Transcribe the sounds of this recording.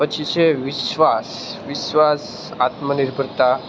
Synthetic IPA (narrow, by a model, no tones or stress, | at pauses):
ət͡ɕiseʋiɕʋas | ʋiɕʋas | at̪məniɾbʱəɾt̪a